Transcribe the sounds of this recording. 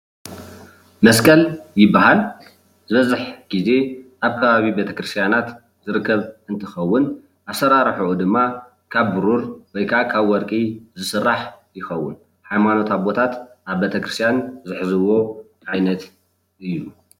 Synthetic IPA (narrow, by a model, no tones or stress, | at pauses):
mɐskʰʼɐljɪbːaɦal | zɨβɐzɨħɡ̥ize̞ʔaβkʰɐβaβibet̪ʰɐ̥kɾɨst̪ʰjanat̪ | zɨɾɨkːɐβɨnt̪ʰɨxɐwːʊn | ʔasɐɾaɾħuʔud̪ɨmːa | kʰaβbɨɾuɾwɔjkʰaʔakʰaβwɔɾkʼizɨsɨrːaħjɪxɐwːʊn | ħajmanot̪aβo̞t̪ʰat̪ʔaβbet̪ʰɐkɾɨst̪ʰjanzɨħzɨwo̞ | ʕajnɐt̪ | ʔɨjːu